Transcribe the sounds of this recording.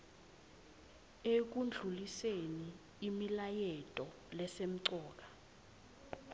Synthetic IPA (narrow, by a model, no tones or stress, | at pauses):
ek̬und͡ɮʱuliseniː | milajɛtʼɔ | lɛsem̩ǀɔːk̬ḁ